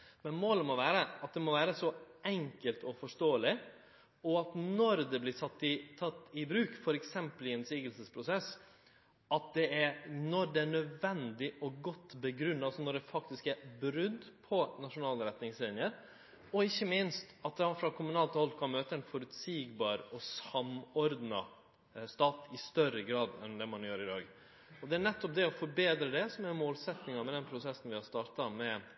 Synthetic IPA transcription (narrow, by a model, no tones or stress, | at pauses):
mɛnmoːləmɔʋæːɾəɑt̪̚d̪ɛmɔʋæːɾəsɔʔɛŋkəlt̪ɔfɔʂt̪oːəlɪ | ɔɑt̪nɔɾd̪ɛblɪsɑt̪ːɪt̪ʰɑt̪ːɪbɾʉːkfɔɾɛksɛmpəlɪɛnsiːɡəlsəspʰɾʊsɛs | ɑt̪̚d̪ɛæɾnɔd̪ɛæɳœd̪ʋɛnd̪ɪʔɔɡɔt̪ːbəɡɾʉnːɑɑsɔnɔɖɛfɑk̚t̪ɪskæɾbɾʏd̪pʰɔnɑʂʊnɑːləɾɛt̪nɪŋslɪːnɪəɾ | ɔɪçːəmɪnst̪ɑt̪̚d̪ɛɑfɾɑkʰʊmʉnɑːlt̪hɔlkʰɑnmøːt̪əɛnfɔɾʉt̪siːɡbɑːɾɔsɑmɔɾd̪nɑ | st̪ɑːt̪ɪst̪œɾəɡɾɑːd̪ɛ̰nd̪ɛmɑnjøːɾɪd̪ɑːɡ | ɔd̪ɛæɾnɛt̪ːɔp̚d̪ɛɔfɔɾbeːd̪ɾəd̪ɛsɔmæɾmoːlsɛt̪nɪŋɑmɛd̪ɛnpʰɾʊsɛsːn̩ʋɪhɑɾst̪ɑːɾt̪ɑmɛ